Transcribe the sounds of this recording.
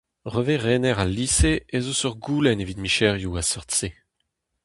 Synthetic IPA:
ʁøveʁeːnɛʁalːiːseezosœʁɡuːlɛnevit̪miʃɛʁjuasɔʁtse

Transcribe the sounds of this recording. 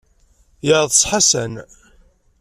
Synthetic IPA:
jəɾðˤsˤħasæn

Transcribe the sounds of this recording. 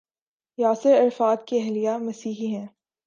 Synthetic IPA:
jaːsɪɾɐɾfaːd̪keɛɦlijamɐsiːɦiɦɛ̃ː

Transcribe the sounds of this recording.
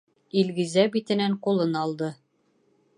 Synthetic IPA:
ilɡɘ̆zæbit̪ɘ̆næɴqulˠɤnɑlˠd̪ɤ

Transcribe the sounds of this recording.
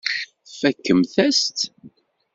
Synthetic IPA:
fækːəmθæst̪

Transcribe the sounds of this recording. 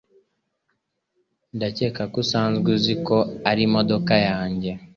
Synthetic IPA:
ndacekakusaːnzɡuzikoaɾimodokajaːɲɟe

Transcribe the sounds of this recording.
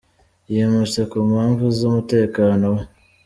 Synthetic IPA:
jemusekuːmhaːɱvuzumute̞ːkaːno̞w

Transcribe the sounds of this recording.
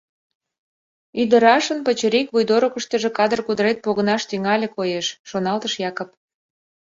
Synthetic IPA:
yd̪əɾɑʃənpət͡ɕəɾikβujd̪oɾokə̆ʃt̪ə̆ʒĕkɑd̪ərkud̪əɾet̪̚poɣənɑʃt̪yŋɑlʲekojeʃːonɑlt̪əʃjɑkop̚

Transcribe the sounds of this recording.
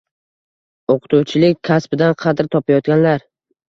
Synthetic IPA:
oqʰɨ̥t̪uwt͡ʃʰɪlɪkʲːʰaspɪd̪anqʰɑd̪ɪɾt̪ʰɒpajɒt̪̚ɡʲanlaɾ

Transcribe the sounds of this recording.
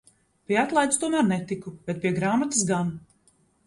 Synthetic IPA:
pʲiɛat̪lˠaj̪st̪uɔmæːɾnɛt̪ikub̥ɛt̪̚pʲiɛɡɾaːmat̪ɨs̬ɡan

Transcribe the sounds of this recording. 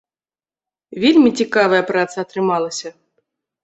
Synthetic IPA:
vʲelʲmʲit͡sʲikavɐjɐpɾat̪sɐːt̪ɾɨmalˠɐsʲɐ

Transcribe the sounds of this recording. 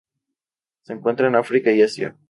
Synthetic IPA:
se̞ːŋkwe̞nt̪ɾaenafɾikaiasja̰

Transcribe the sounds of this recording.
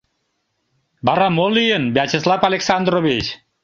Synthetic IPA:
baɾamolijənbat͡ɕislˠafalʲeksand̪ɾoβit͡ʃ

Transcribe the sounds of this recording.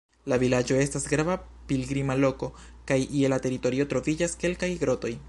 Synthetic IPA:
lavilad͡ʒo̞e̞stasɡɾava | pilɡɾimalo̞ko̞ | kajʔielate̞ɾito̞ɾio̞tɾo̞vid͡ʒaske̞lkajɡɾo̞to̞j

